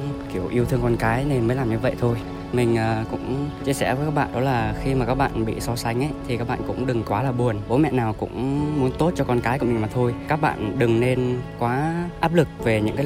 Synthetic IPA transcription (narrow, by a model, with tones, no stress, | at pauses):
ki˧˩əwʔi˧əwt̪ʰɨ˧əŋkɔ˧nkaː˨˦jne˧nməː˨˦jlaː˨˩mɲɨ˧və̰˧˨jt̪ʰo˧j | mï˨˩ŋ̟ʔəː˨˩kʊ̰˧˥ŋ͡mt͡ɕi˧əsɛ̰˧˩və˨˦kaː˦˥k̚ɓ̰ːɗɔ˨˦laː˨˩xi˧maː˨˩kaː˦˥k̚ɓa̰ː˧˨nɓḭ˧˨sɔ˧sa˨˦jŋ̟ʔə˨˦jt̪ʰi˨˩kaː˦˥k̚ɓa̰ː˧˨kʊ̰˧˥ŋ͡mɗɨ˨˩ŋkwaː˨˦laː˨˩ɓu˨˩ənɓo˨˦mɛ̰˧˨naː˨˩wkʊ̰˧˥ŋ͡mmu˨˦ənt̪o˦˥t̚t͡ɕɔ˧kɔ˧nkaː˨˦jṵ˧˩˨mi˨˩ŋmaː˨˩t̪ʰo˧jkaː˦˥k̚ɓa̰ː˧˨nɗɨ˨˩ŋne˧nkwaː˨˦ʔaː˦˥p̚lɨ˨˩k̚ve˨˩ɲɨ̰˧˥ŋkaː˨˦˨